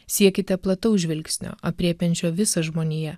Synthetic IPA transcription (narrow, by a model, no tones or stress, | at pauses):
sʲiɛkʲɪt̪ʲɛplˠɐt̪ɐʊʒʲʋʲɪlʲksʲnʲo̰ːɐpʲɾʲiɛpʲɛnʲt͡ʃʲoːʋʲɪsɐʒmoːnʲijɛ